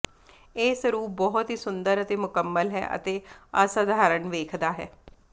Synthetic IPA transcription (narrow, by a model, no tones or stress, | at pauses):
eːsɾuːp̚bɔːɦʊt̪ɦiːsʊnd̪əɾət̪eːmʊkəmːəlɦɛ̰ːʔə̰t̪eːaːsad̪ʱaːɾəɳʋeːkʰd̪aːɦɛ̰ː